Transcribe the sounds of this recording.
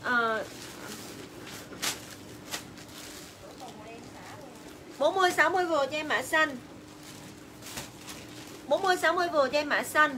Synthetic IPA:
ʔəː˨˩˨ | ɓo˨˦nmɨ˧əjsaː˨˦wmɨ˧əjvo˨˩t͡ɕɔ˧ɛ˧maː˧˥sa˧n | ɓo˨˦nmɨ˧əjsaː˨˦wmɨ˧əjvo˨˩t͡ɕɔ˧ɛ˧ma̰ː˧˥sa˧n

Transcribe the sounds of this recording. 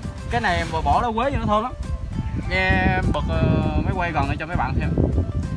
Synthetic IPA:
kaː˨˦jna˨˩jmɔ˨˩mɔ˧˩˦laː˨˦we˨˦ɲɨ˧n˨˦t̪ʰo˧jnla˨˦mŋɛ˧ɓɨ˨˩k̚ə˨˩məː˨˦jwa˧jɣɔ˨˩nʔəː˨˩t͡ɕɔ˧kaː˨˦jɓa̰ː˧˨nsʰɛ˧w

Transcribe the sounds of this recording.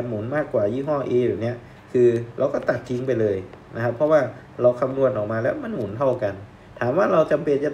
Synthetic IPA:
a˧nmu˩˦nmaː˥˩kːwaː˨˩jiː˧˥˩ɦɔː˥˩ʔeː˧jaː˨˩ni˦˥ɐ | kʰɯː˧ɾʔa˧wkɔː˥˩t̪a˨˩t̪̚ʰːi˧˦ŋpa˧jlɤː˧˩jna˧˦˥kʰa˦˥pʰːɔ˧˥waː˥˩ | ɾa˧wkʰa˧mnu˧˩ənʔɔː˨˩k̚maː˧lɛ˦˥˩wma˧˥˨nmu˩˦nt̪ʰa˥˩wka˧n | t̪ʰaː˨˩˦mwaː˧˥˩ɾa˧wt͡ɕa˨˧mpe˧nt͡ɕa˨˩

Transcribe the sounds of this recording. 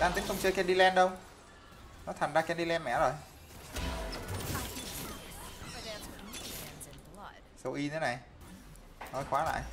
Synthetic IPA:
laː˧nt̪i˨˦ŋkə˧wŋ͡mt͡ɕəː˧jkɛ˧nɗi˧lɛ˧nɗə˧w | nɔ˨˦t̪ʰaː˨˩ŋzaː˧kɛː˧nɗi˧lɛ˧nmɛ̰˧˨zo˨˩j | sə˧˩wʔi˧t̪ʰe˨˦na˨˩j | nɔ˨˦jxwaː˨˦la̰ː˧˨j

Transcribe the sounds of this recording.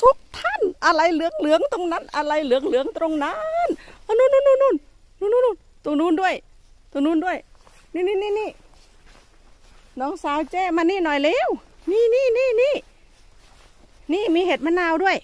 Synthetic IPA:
t̪ʰu˦˥k̚t̪ʰa˧˥˨nʔa˧la˧jlɯ˨˦əŋlɯ˨˦əŋt̪o˧ŋna˧˥˨nʔa˧la˧jlɯ˨˦əŋlɯ˨˦əŋt̪ɾo˧ŋna˧nʔa˧nuː˧˥˨nːuː˧˥˨nːu˧˥˨nːuː˧˥˩n | nu˧˨nu˧˥nu˧˩˨n | t̪u˧˨nuː˧˥˩ndu˧˥˩əj | t̪u˧˩nuː˧˥˨ndu˧˥˩əj | niː˧˥˨niː˧˥˨niː˧˥˨niː˧˩ | nɔː˨˦ŋsaː˨˦wt͡ɕɛː˧˩˨maː˧niː˧˥˨nɔ˨˩jlɛː˧˥wniː˧˥˨niː˧˩˨niː˧˥˩niː˧˥˩ | niː˧˥˨miː˧ɦe˧˨˩t̪̚ma˧˥naː˧˨wdu˧˥˩əj

